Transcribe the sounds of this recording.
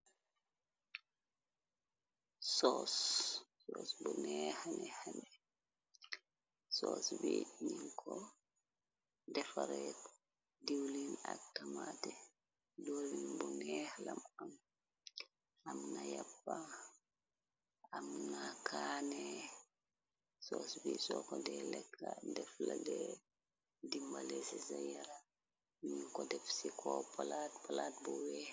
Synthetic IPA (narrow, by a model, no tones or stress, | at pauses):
sɔsː | ɔsbɔnɛhanɛhanɛ | sɔsbeiɲiŋkʰɔ | dɛfaɾɛt | diwlina̰tːamatɛ | dolinbɔnɛhlamam | amnajapːa | amnakʰaːnɛ | sɔːsbisɔkɔdɛlɛkːadɛfladɛ | dimbalɛsisajaɾa | ɲiŋkɔdɛfsikʰɔpalaːt̚palaːt̚buwɛː